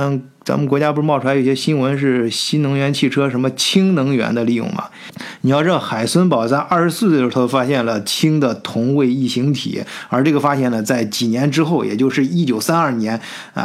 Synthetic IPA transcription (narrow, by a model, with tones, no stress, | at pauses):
t͡sa̰˧˥mə˨nkwt͡ɕja˥pu˥˩ɻmɑ˥˧ʈ͡ʂʰa˧˥jɕjɛ˥ɕi˥nwə˧˥nʂ̬ɻ̩˥˩ɕi˥nnɤ˧˥ŋɥɛ˧˥nt͡ɕʰi˥˩ʈ͡ʂʰɤ˥ʂə˧˥nmə˧t͡ɕʰi˥ŋnɤ˧˥ŋɥɛ̰˧˥nd̪ə˧li˥˧jʊ̰˥˩ŋmɐ̰˩ | ni˨jʈ͡ʂɻd̪xa˨˩ɪswə˥npɑ˨˩ʊt͡sa˥˧ɪʔɐ˞˥˩ʂɻ̩˧˥sɹ̩˥˧˥ə˩ʂɻ̩˧˥o˥˩ʊfa˥ɕjɛ˥˩nlə˩t͡ɕʰi˥ŋd̪ə˨t̪ʰʊ˧˥ŋwe˥˧ɪi˥˩ɕi˧˥ŋt̪ʰḭ˨˩˦ə˞˧˥ʈ͡ʂɤ˥˩ɡə˩fa˥ɕjɛ˥˩nlə˩t͡sa˥˩ɪt͡ɕi˨˩njɛ˧˥nʈ͡ʂɻ̩˥xo˥˩ʊjʔɛ̰˨˩t͡ɕjo˥˧ʊʂɻ̩˥˩i˥˩t͡ɕjo˨˩ʊsa˥nɐ˥˩njɛ˧˥n̰˧